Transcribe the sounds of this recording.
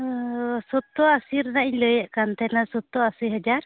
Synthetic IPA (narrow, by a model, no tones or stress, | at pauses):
sɔt̪ːɔasiɾnaʔiɲləjaʔkant̪ʰɛnasɔt̪ːɔasijɦəd͡ʒaɾ